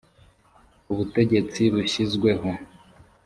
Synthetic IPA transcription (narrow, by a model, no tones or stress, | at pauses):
uβute̞ɟe̞t͡siβuɕizɡwe̞ɦo̞